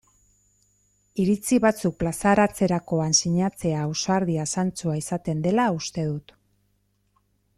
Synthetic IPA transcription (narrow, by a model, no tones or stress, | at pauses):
iɾit͡siβat͡suk̚plasaɾat͡se̞ɾako̞ansiɲat͡se̞aːwsoaɾðiasant͡suaisat̪e̞nd̪e̞laust̪e̞ðut̪